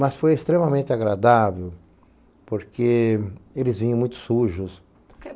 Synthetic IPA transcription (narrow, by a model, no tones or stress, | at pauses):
mɐsfojest̪ɾẽmɐmẽnt̪ɪaɡɾad̪avew | poɾkʰeelɪzvĩɲɐ̃mũj̃t̪ʊ̥suʒʊs